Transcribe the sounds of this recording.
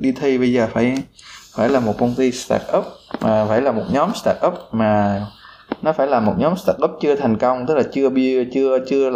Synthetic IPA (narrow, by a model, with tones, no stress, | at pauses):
ɗi˧t̪ʰi˧ɓə˧jzəː˨˩faː˧˩j | faː˧˩jlaː˨˩mo˨˩t̚kə˧wŋ͡mt̪i˧st̪a̰ː˧˩k̚ʔə˦˥p̚maː˨˩faː˧˩jlaː˨˩mo˨˩t̚ɲɔ˨˦mst̪aː˧˩k̚ʔə˦˥p̚maː˨˩ | nɔ˨˦faː˧˩˦jlaː˨˩mo˨˩t̚ɲɔ˨˦mst̪aː˧˩k̚ʔə˦˥p̚t͡ɕɨ˧ət̪ʰa˨˩jŋ̟kə˧wŋ͡mt̪ɨ˦˥k̚laː˨˩t͡ɕɨ˧əɓi˧t͡ɕɨ˧ət͡ɕɨ˧əl